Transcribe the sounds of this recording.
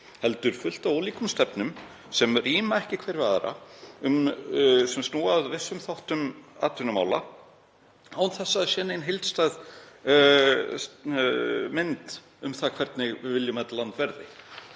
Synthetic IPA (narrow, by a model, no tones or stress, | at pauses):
hɛlt̪ʏɾ̥fʏl̥t̪aɔliːkʏmst̪ɛpnʏm | sɛmriːmaɛhcɪkʰvɛːjɾvaðɾa̰ʏmsɛmst̪noːaðvɪsːʏmθawht̪ʏma̰ːt̪ʏnʏma̰ːwla̰ | awnθɛsːaːðsjɛːnaenɦɪjlt̪st̪ajð | s | mɪnt̪ | ʏmθakʰvɛɾt̪nɪɣɪvɪljʏmɛt̪lant̪vɛɾðɪ̰